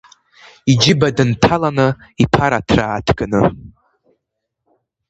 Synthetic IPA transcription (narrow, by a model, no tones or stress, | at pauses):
id͡ʒɪbadɨntʰalanɨipʰaɾatʰraːtʰɡɨnɨ̰